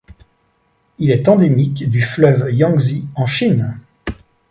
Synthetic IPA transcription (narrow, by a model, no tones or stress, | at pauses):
ilɛt̪ɑ̃d̪emikd̪yflœvjɑ̃ɡziɑ̃ʃin